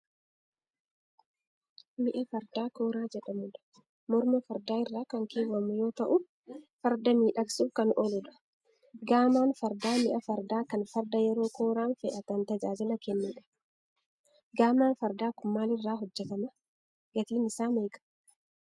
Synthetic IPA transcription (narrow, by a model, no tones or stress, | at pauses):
mɪʔɐfɐɾd̪aːko̞ːɾaːd͡ʒɛᶑɐmʊᶑɐ̥ | mɔɾmɐfɐɾd̪aːɪrːaːkɐŋkeːwɐmʊjo̞ːt̪ɐʔʊ | fɐɾd̪ɐmiːᶑɐksuːkɐnʔɔlʊᶑ̪ɐ̥ | ɡaːmaːnfɐɾd̪aːmɪʔɐfɐɾd̪aːkɐnfɐɾd̪ɐjɛɾo̞ːko̞ːɾaːnfɛʔɐt̪ɐnt̪ɐd͡ʒaːd͡ʒɪlɐkɛnːɛᶑɐ̥ | ɡaːmaːnfɐɾd̪aːkʊmːaːlɪrːaːɦɔd͡ʒːɛt̪ɐmɐ | ɡ̥ɐt̪iːnɪsaːmeːkʼɐ̥